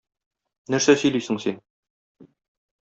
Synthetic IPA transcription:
nɘ̆ɾsæsɵ̆jlijsɘ̆ŋsin

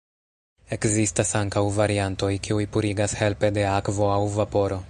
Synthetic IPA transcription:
e̞kzistasaŋkawvaɾianto̞jkiujpuɾiɡashe̞lpe̞de̞akvo̞awvapo̞ɾo̞

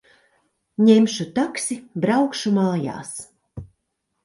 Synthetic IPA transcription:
ɲemʃut̪aksibɾawkʃumaːja̰ːs

